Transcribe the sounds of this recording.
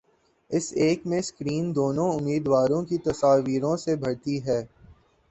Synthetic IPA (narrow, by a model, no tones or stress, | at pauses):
ɪseːkmẽskɾiːnd̪oːnõʊmːiːd̪ʋaːɾõkit̪ɐsaːʋiːɾõsebʱɐɽt̪iɦɛː